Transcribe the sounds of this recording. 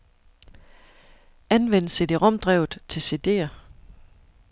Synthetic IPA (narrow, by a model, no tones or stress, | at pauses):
ænʋen̰sed̥eʁɒ̽md̥ʁɛʊ̰ð̩ˠt͡sʰe̝lse̝d̥e̝̰ːɐ